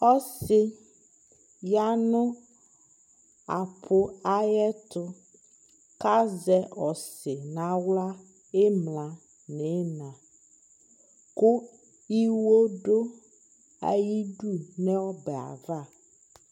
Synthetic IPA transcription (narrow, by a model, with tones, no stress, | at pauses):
ɔ˦sɪ˦ | ja˦nʊ̃˦ | a̰˨pʰʊ˦a˦jɛ˦t̪ʊ˦ | ka˦zɛ˦ɔ˨sɪ˨nã˨wla˦ | e˦mlã˨ | nẽ˨˦nã˨ | ku˦ | i˦wo˦ɖo˦ | a̰˦ji˦ɖu˦nɛ̃˦wɔ˦bɛ˨a̰˨va˦˨